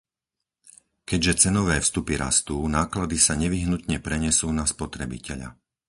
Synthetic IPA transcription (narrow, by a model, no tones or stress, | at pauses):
kɛɟʒɛt͡sɛnɔʋɛːfst̪upiɾa̰st̪unaːklad̪isaɲɛʋiɦnut̪ɲɛpɾɛɲɛsuːnaspɔt̪ɾɛbḭcɛʎa̰